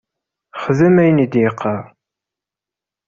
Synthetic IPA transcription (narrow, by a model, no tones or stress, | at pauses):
χəðəmæjnid̪jɪqʰːɑɾˤ